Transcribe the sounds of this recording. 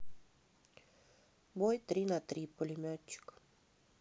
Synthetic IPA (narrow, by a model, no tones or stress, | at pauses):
bojt̪ɾinat̪ɾipolʲimʲɔt͡ʃːi̥k